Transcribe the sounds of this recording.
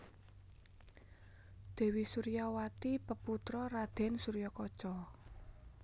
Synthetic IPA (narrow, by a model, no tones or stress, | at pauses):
d̪̥ɛ̤wisuɾijawat̪ipəput̪ɾɔɾad̪̥ɛ̤nsuɾijɔkɔt͡ʃɔ